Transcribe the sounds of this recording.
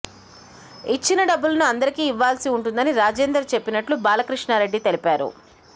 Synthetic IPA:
it͡ʃːinɐɖɐbːulɐnuɐnd̪ɐɾikiːiʋːaːlsiuɳʈund̪ɐniɾaːd͡ʒeːnd̪ɾɐt͡ʃe̞pːinɐʈlubaːlɐkɾiʂɳaːɾe̞ɖːit̪e̞lipaːɾṵ

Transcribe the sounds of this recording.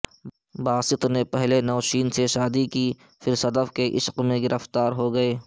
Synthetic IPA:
baːsɪt̪nepɛɦlenɔːʃiːnseʃaːd̪ikiː | fɪɾsɐd̪əfkeʔɪʃqmẽɡɪɾəft̪aːɾɦoɡɐeː

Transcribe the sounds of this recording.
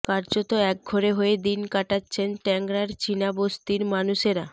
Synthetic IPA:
kaɾd͡ʑot̪oɛk̚ɡʱoɾeɦoed̪inkaʈatːɕʰenʈɛŋɡɾaɾt͡ɕinabost̪iɾmanuʃeɾa

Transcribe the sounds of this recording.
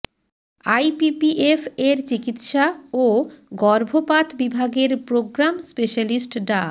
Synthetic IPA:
ajpipiʔefʰeɾt͡ɕikit̪ʃaoɡɔɾbʱopat̪bibʱaɡeɾpɾoɡɾamspeʃalisʈɖa

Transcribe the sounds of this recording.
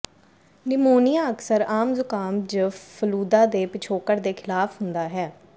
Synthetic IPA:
nɪmoːnɪjaːəksəɾaːmzʊkaːmd͡ʒəfʰəluːd̪aːd̪eːpɪt͡ʃʰoːkəɾd̪eːkʰɪlaːfɦʊnd̪aːɦɛː

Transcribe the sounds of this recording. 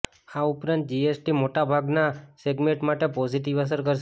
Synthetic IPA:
aupɾãnt̪̚d͡ʒiesʈimoʈabʱaɡnaseɡmeɳʈmaʈepɔziʈ̬iʋəs̬əɾkəɾʃ

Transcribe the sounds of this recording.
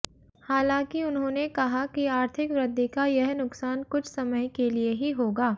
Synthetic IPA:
haːlãːŋkiʊnɦõːnekɐɦakiaːɾt̪ʰɪkʋɾɪd̪ʱːikajɛɦnʊksaːnkʊt͡ʃʰsɐməjkelieɦiɦoːɡaː

